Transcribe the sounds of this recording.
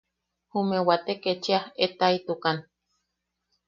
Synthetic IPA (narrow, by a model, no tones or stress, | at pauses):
humewat̪eket͡ʃiahet̪ait̪ukan